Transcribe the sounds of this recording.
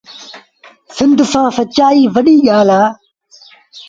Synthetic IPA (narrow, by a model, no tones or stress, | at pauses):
sɪ̃nd̪sãːsət͡ʃaːiːʋɐɗiːɠaːlaː